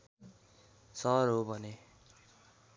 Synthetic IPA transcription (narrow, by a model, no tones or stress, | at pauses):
sʌrɦobʱʌne